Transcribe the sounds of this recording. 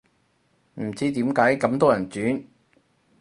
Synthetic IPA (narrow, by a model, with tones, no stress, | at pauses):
m̩˨˩t͡siː˥t̪iː˨˥mkaː˨˥jkɐ˨˥mt̪ɔː˥jɐ˨˩nt͡syː˨˥n